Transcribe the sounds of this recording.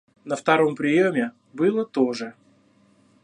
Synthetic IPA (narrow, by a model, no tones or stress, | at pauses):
nəft̪aɾo̞mpɾʲɪjomʲɪ | bɨlˠət̪oʐɨ